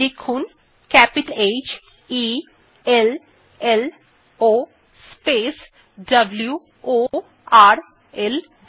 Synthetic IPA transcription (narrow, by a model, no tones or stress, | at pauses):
lekʰun | kɛpiʈəled͡ʒ | i | el | el | o | spes | ɖɐblju | o | aɾ | el